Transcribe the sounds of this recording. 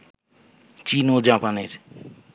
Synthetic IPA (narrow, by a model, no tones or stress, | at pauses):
t͡ɕinod͡ʑapaneɾ